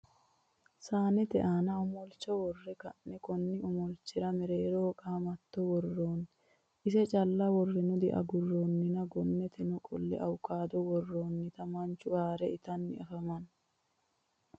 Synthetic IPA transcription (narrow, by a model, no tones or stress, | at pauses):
saːnɛt̪ɛʔaːnɐʊmɔlt͡ʃːɔwɔrːɛkɐnːɛkɔnːɪʔɔmɔlt͡ʃːɪɾɐmɛɾeːɾoːkʼaːmɐt̪ːɔwɔrːoːn | ʔɪsɛt͡ʃʼɐlːɐwɔrːɛnʊd̪ɛʔɐ̰ɡʊrːonːɪnɐɡɔnːɛt̪ʰɛnɔkʼɔ̰lːɛ̰ʔɐwʊkːaːd̪ɔwɔrːoːnːɪt̪ɐmɐnt͡ʃːʊaːɾɛɪt̪ɐnːɪ̰ɐfɐmɐn